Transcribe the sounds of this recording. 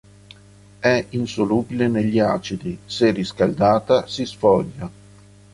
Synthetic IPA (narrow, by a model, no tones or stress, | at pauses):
ɛinsoluːbileneʎːiaːt͡ʃid̪iseriskald̪aːt̪asisfɔʎːa